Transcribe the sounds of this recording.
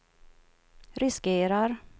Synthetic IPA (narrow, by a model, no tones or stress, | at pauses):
ɾɪskeːɾaɾ